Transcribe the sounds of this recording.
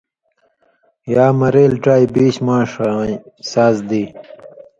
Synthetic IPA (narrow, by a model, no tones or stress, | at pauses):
jaːmɐɾeːlʈaːjbiːɕmãːʂ | saːzd̪iː